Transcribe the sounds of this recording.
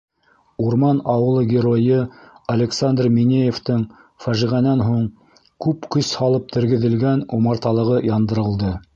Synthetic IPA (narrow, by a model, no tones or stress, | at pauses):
uɾmɑnɑwɤ̆lˠɤɡʲɪɾojɤɐlʲeksand̪rminʲejeft̪ɤɴ | fæʒiʁænænɦuɴ | kʉpkɵshɑlˠɤp̚t̪ɘ̆ɾɡɘ̆ðɘ̆lɡænumɑɾt̪ɑlˠɤ̆ʁɤjɑnd̪ɤ̆ɾɤ̆lˠd̪ɤ